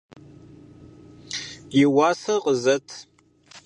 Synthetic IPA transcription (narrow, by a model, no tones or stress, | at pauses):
jɪwaːsɐqʼəzɐtʰ